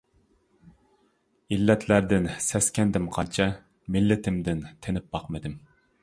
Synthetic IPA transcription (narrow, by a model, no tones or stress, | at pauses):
ilːɛt̪ʰlæɾd̪ɪnsɛskʲɛnd̪ɪmqʰɑnt͡ʃʰɛ | mɪlːɪt̪ʰɪmd̪ɪnt̪ʰenɪp̚b̥ɑqmɨd̪ɪm